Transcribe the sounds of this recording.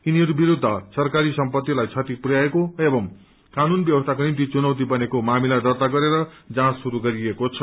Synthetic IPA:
iniɦʌɾubiɾud̪ʱːʌsʌrkaɾisʌmpʌt̪ːilajt͡sʰʌt̪ipurjaekoebʌŋ | kanunbjʌbʌst̪ʰak̬onimt̪̬it͡sunʌwt̪̬ibʌnekomamilad̪ʌrt̪aɡʌɾeɾʌ | d͡zãsuɾuɡʌɾiekot͡sʰʌ̥

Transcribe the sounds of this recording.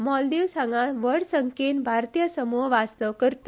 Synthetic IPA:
mɔld̪iʋsaŋɡãʋəɽsəŋkenbʱaɾt̪ijəsəmuɦʋast̪əʋkəɾt̪

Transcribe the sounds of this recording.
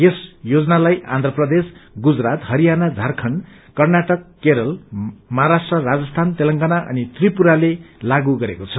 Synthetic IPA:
jesjod͡zʌnalaja̰nd̪ʱrʌprʌd̪esɡud͡zrat̪ɦʌɾijanad͡zʱarkʰʌn | kʌrnaʈʌkːeɾʌlmʌɦaɾasʈrʌrad͡zʌst̪ʰant̪elʌŋɡanaʔʌ̰nit̪ripuɾalelaɡuɡʌɾekot͡sʰʌ

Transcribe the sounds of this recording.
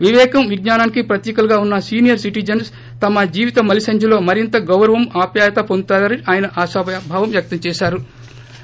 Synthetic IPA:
ʋiʋɛːkɐmʋiɡnaːnaːnikipɾɐt̪jiːkɐlɡaːunːɐsiːnijɐɾsiʈid͡ʒɐns | t̪ɐmɐd͡ʒiːʋit̪ɐmɐlisɐɲd͡ʒulo̞ːmɐɾint̪ɐɡɐwɾɐʋɐmaːpjaːjɐt̪ɐpont̪aːɐniʔaːjɐnɐʔaːʃɐbbʱaːʋɐmʋjɐk̚t̪ɐmt͡ʃɛːʃaːɾu

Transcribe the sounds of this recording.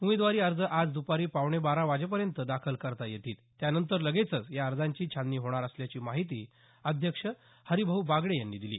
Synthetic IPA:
umid̪ʋaɾiːəɾd͡zəʔad͡zd̪upaɾiːpaʋɳebaɾaʋad͡ʑep̬əɾjənt̪əd̪akʰəlkəɾt̪ajet̪iːt̪ːjanənt̪əɾləɡet͡sət͡sjaəɾd͡zaɲt͡ɕiːt͡ɕʰanːiːɦoɽ̃aɾəsljat͡ɕiːmaɦit̪iː | əd̪ʱjəkʂə | həɾibʱəɦubaɡɭejanːiːd̪ilḭː

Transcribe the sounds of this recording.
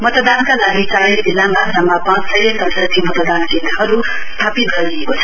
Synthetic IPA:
mʌt̪d̪ankalaɡit͡saɾidilamasamːapãt͡ssʌjesʌnsʌt̪ʰimʌt̪ʌd̪ankinaɦʌɾu | st̪ʰapit̪̚ɡʱʌɾɡijekot͡sʰʌ̥

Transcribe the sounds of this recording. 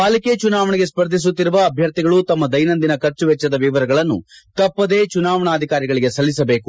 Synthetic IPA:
paːliket͡ʃunaːʋɐɳɛɡe̞spɐɾd̪ʱis̬ut̪ːiɾuʋɐːbʱjɐɾt̪iɡɐɭut̪ɐmːɐd̪ɐjnɐnd̪inɐkɐɾt͡ʃuʋɛt͡ʃːɐd̪ɐʋiʋɐɾɐɡɐɭɐnːṵt̪ɐpːɐd̪e̞ːt͡ʃunaːʋɐɳaːd̪ʱikaːɾiɡɐɭiɡe̞sɐlːis̬ɐbe̞ːku

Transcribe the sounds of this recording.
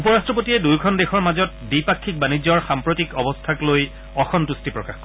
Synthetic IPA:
upɔɹastɹɔp̬otiɛdujkʰɔndexʰɔɹmazɔt̚bipakʰːik̚banid͡ʑɔɹxampɹotikɔbɔstʰakloj | ɔxʰɔntustipɹɔkaxkɔ

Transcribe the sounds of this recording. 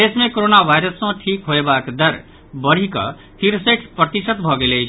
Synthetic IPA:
d̪esmekoɾonabʱajɾʌsːʌ̃ʈʰikɦoebakd̪ʌɾ | bʌɾ̤ikʌ̰ | p̪ʰiɾseʈʰpɾʌt̪isʌt̪bʱʌɡelejt͡ʃʰ

